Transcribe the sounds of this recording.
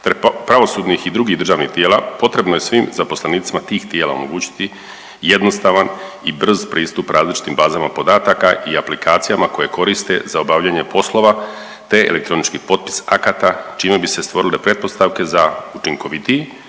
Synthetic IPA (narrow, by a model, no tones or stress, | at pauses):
t̪ɾepɾaʋo̞suːd̪nixid̪ɾuɡid̪r̩ʒaːʋnixt̪jeːlapo̞t̪ɾe̞bnoje̞sʋimzapo̞sleniːt̪simat̪iːxt̪je̞ːlaomo̞ɡuːt͡ɕi̥t̪i | je̞d̪nost̪aʋan | ibr̩zpɾiːst̪upɾʔaːzlit͡ʃi̥t̪imbaːzamapo̞d̪aːt̪akaʔiaplikaːt̪sijamako̞je̞ko̞ɾist̪e̞̰zao̞baːʋʎaːɲepo̞slˠo̞ʋa | t̪e̞ḛle̞k̚t̪ɾo̞nit͡ʃkipo̞t̪̚pi̥sa̰kat̪at͡ʃiːmebise̞st̪ʋo̞ɾile̞pɾe̞t̪̚po̞st̪aʋke̞zaut͡ʃiŋko̞ʋit̪ie